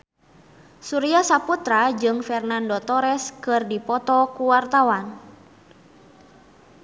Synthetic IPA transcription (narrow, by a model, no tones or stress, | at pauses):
suɾiasaput̪ɾad͡ʒɨŋfɛrnandɔt̪ɔɾɛskɨrdipɔt̪ɔkuwart̪awan